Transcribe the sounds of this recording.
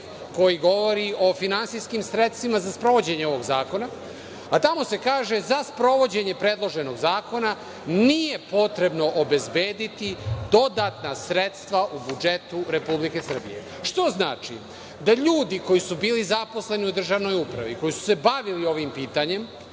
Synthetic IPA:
ko̞jiɡo̞ʋo̞ɾiʔo̞finansijskimsɾe̞t̪st̪ʋimazaspɾo̞ʋo̞d͡ʑe̞ɲeo̞ʋo̞ɡzaːko̞na | at̪amo̞se̞kaːʒe̞zaspɾo̞ʋo̞d͡ʑe̞ɲe̞pɾeːd̪lˠo̞ʒe̞no̞ɡzaːko̞na | nije̞po̞t̪ɾe̞bno̞ʔobe̞zbe̞ːd̪it̪id̪o̞d̪at̪nasɾe̞t̪st̪ʋaʔubud͡ʒe̞t̪uɾe̞publike̞sr̩bḭjḛ | ʃt̪o̞zna̰ːt͡ʃḭ | d̪aʎuːd̪iko̞jisubiːlizapo̞sle̞niud̪r̩ʒaʋno̞jupɾa̰ʋḭko̞jisu̥se̞baʋilioʋimpiːt̪aɲe̞m

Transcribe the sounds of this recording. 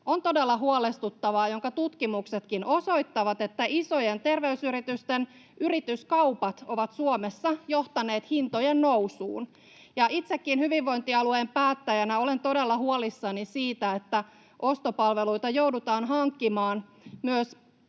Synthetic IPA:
ont̪o̞delːɑɦuolest̪ut̪ːɑʋɑːjoŋkɑt̪ut̪kimukset̪kino̞soijt̪ːɑʋɑt̪et̪ːæʔiso̞jent̪e̞rʋeysyɾit̪yst̪en | yrit̪yskɑupɑt̪o̞ʋɑt̪suomesːɑjo̞ht̪ɑne̞ːt̪hint̪ojenːowsṵːn | jɑit̪sekːinhyʋiʋːo̞int̪iɑlueːmpæːt̪ːæjænæo̞lent̪o̞delːɑɦuolisːɑnisiːt̪æet̪ːæ | ʔo̞st̪opɑlʋeluit̪ɑjoudut̪ɑːnɦɑŋkːimɑːn | myøs

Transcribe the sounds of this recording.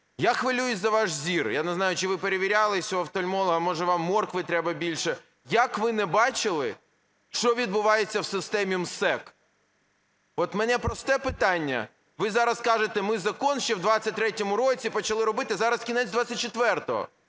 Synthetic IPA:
jaxʋɪlʲujʊzɐʋɑʃzʲirjanɛznɑjʊt͡ʃɪʋɪpeɾeʋʲiɾʲalˠɪsʲɔɐwt̪ɔlʲmɔlˠɐɦɐmɔʒɛʋɑmːɔrkʋɪt̪ɾɛbɐbʲilʲʃɛ | jɐkʋɪnɛbɑt͡ʃɪlˠɪ | ʃɔʋʲid̪̚bʊʋɑjet͡sʲːɐwsɪst̪ɛmʲimsɛk | ɔt̪mɛnɛpɾɔst̪ɛpɪt̪ɑnʲːɐ̰ | ʋɪzɑɾɐskɑʒɪt̪ɛmɪzɐkɔnʃt͡ʃɛwd̪ʋat͡sʲːɐt̚ʲt̪ɾɛtʲɔmʊɾɔt͡sʲipɔt͡ʃɐlˠɪɾɔbɪt̪ɪzɑɾɐskʲinɛzʲd̪ʋat͡sʲːɐt̚ʲt͡ʃet̪ʋɛrt̪ɔɦɔ̰

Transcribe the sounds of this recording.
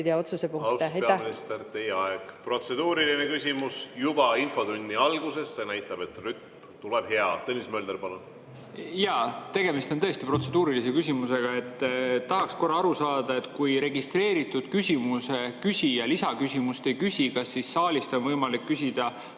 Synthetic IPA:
d̪eɑot̪susepuŋspeminist̪ert̪e̞jeɑeɡ̥pro̞t̪se̞d̪uːɾilinekysʲimusjub̥ɑinfo̞d̪unʲd̪iɑlɡ̥use̞sːe̞næjt̪ːˑɑb̥e̞t̪ryt̪̚m | t̪uleb̥he̞ɑ̰t̪ɤnʲismøld̪eɾpɑlun | jɑt̪e̞ɡe̞mist̪ot̪ɤ̞est̪ipro̞t̪se̞d̪uːɾilise̞kysʲimuse̞ɡ̥ɑe̞t̪ːɑɦɑksko̞rːɑɑɾusɑːd̪̥ɑe̞t̪kujɾe̞ɡist̪ɾe̞ːɾit̪ːˑud̪̥kysʲimuse̞kysʲijɑlisɑkysʲimust̪e̞jkysʲikɑsːisːɑːlʲist̪o̞nvɤjmɑlikːysʲid̪̥ɑ

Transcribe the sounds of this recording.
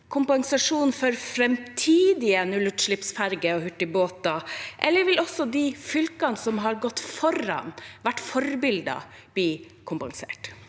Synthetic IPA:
kʰʊmpɑŋsɑʂuːn̩fɔɾfɾɛmt̪ʰiːd̪ɪənʉlːʉʈ̪ʂɭɪpsfæɾɡəɔhʉʈːɪboːt̪ɑʔɛlːəɾʋɪlɔsːɔd̪ɪfʏlkɑnsɔmɦɑɾɡɔt̪ːfɔɾɑ̰nʋæʈːfɔɾbɪld̪ɑ̰b̥liːkʰʊmpɑŋsḛːʈ

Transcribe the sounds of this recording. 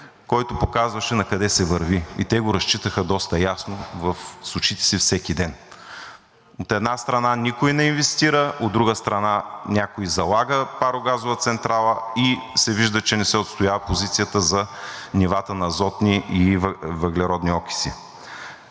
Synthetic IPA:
kɔjt̪ʊpokazvɐʃɛnɐkɐd̪ɛsɛvɐɾviḭt̪ɛɡoɾɐst͡ʃit̪əxəd̪ɔst̪ɐjasnovɐfsˠʊt͡ʃit̪ɛ̥sifsɛkid̪ɛn | ot̪ɛd̪nast̪ɾɐnanikoinɛinvɛst̪iɾəʔod̪ːɾuɡəst̪ɾɐnanʲakoizɐlˠaɡəpaɾoɡazovɐt̪sɛnt̪ɾalˠəisɛviʒd̪ət͡ʃɛnɛsɛot̪st̪ojavɐpozit̪sijət̪əzɐnivat̪ənɐzɔt̪niivɐɡlɛɾɔd̪niɔki̥sḭ

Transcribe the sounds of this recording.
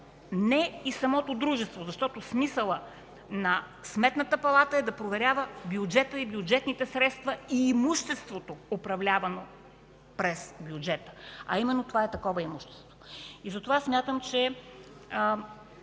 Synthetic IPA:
nɛisɐmɔt̪od̪ɾuʒɛst̪vozɐʃt̪ɔt̪osmisəlˠə | nɐ | smɛt̪nət̪əpɐlˠat̪əɛd̪ɐpɾovɛɾʲjavəbjud͡ʒɛt̪əibjud͡ʒɛt̪nit̪ɛsɾɛt̪st̪vɐiːmuʃt̪ɛst̪vot̪oːpɾɐvlʲavɐno | pɾɛsbjud͡ʒɛt̪ə̥ɐimɛnːot̪ovaɛt̪ɐkɔvəimuʃt̪ɛ̥st̪voizɐt̪ovasmʲjat̪əmt͡ʃɛ

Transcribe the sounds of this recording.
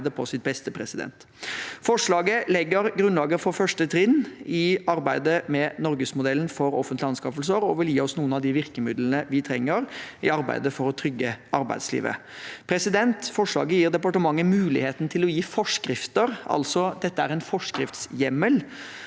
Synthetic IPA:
d̪əpʰɔsɪt̪̚bɛst̪əpʰɾɛsɪd̪ɛ̰nt̪ | fɔʂɭɑːɡəlɛɡːəɾɡɾʉnlɑːɡəɾfɔɾfœʂʈət̪ʰɾɪnːɪɑɾbæɪd̪əmɛnɔɾɡəsmʊd̪ɛln̩fɔɾɔfənt̪lɪɑnskɑfəl̩səɾɔʋɪljiːɔsnuːənɑʋd̪ɪʋɪɾkəmɪd̪lnəʋɪt̪ʰɾɛŋːəɾɪɑɾbæ̰ɪd̪əfɔɾɔt̪ʰɾʏɡːəɑɾbæ̰ɪd̪slḭːʋə̰ | pʰɾɛsɪd̪ɛnt̪fɔʂɭɑ̰ːɡəjiːɾd̪ɛpɑʈəmɑŋːəmʉːlɪheːt̪nt̪ʰɪlɔjiːfɔʂkɾɪft̪əɾɑ̰lsɔd̪ɛt̪ːəæɾɛɪnfɔʂkɾɪft̪sjɛməl

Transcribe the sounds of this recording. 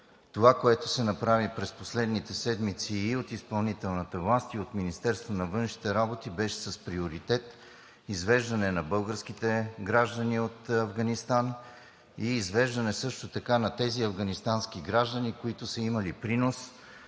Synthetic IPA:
t̪ovakoɛt̪ʊsɛnɐpɾavipɾɛsposlɛd̪nit̪ɛsɛd̪mit̪siːot̪ispɐlˠnit̪ɛlˠnɐt̪əvlˠast̪iot̪minist̪ɛɾst̪vonɐvɤnʃi̥t̪ɛɾabot̪ibɛʃɛ̥sɐspɾioɾit̪ɛt̪ | izvɛʒd̪ɐnɛnɐbɤlˠɡəɾsk̟it̪ɛɡɾaʒd̪əniot̪ɐvɡɐnist̪an | iːzvɛʒd̪ɐnɛsɤʃt̪ot̪ɐkanɐt̪ɛziɐvɡɐnist̪ansk̟iɡɾaʒd̪ənikoit̪ʊsəimɐlipɾinos

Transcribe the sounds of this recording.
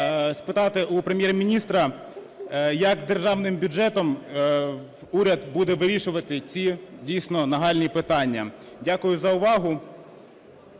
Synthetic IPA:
spɪt̪ɑt̪ɪʔʊpɾemʲjɛrmʲinʲist̪ɾɐ | jɐkd̪erʒɑwnɪmbʲʊd͡ʒɛt̪ɔm | uɾʲɐd̪bud̪ɛʋɪɾʲiʃʊʋɐt̪ɪt͡sʲidʲijsʲnɔnɐɦɑlʲnʲipɪt̪ɑnʲːɐ | dʲakʊjʊzɐʊʋɑɦʊ

